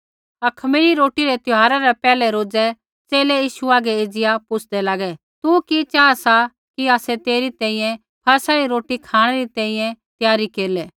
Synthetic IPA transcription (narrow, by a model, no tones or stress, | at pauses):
ɐkʰmiɾiɾoːʈiɾɛt̪ʊɦaːɾaɾɛpɛːlɛɾoːd͡zɛ | t͡seːlɛjiːʃuaːɡɛed͡zɪjapʊt͡sʰd̪ɛlaɡɛ | t̪ukit͡ʃaːasa | kiaːsɛt̪eːɾit̪ɛ̃ːĩːjɛ̃ | pʰɐɾsaɾiɾoːʈikʰaːɽ̃ɛɾit̪ɛ̃ːĩjɛ̃t̪jaːɾikeːlɛ